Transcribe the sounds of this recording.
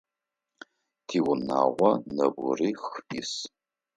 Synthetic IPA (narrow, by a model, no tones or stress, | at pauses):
tʰiwʊna̰ːʁʷɔnɐbʷʊriːxɪs